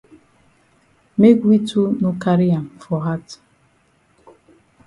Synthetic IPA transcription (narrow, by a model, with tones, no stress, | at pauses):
me˦ɡʷi˦tu˦nʊ˦ka˦ɾi˦a˨m˨fɔ˨ɦa˦t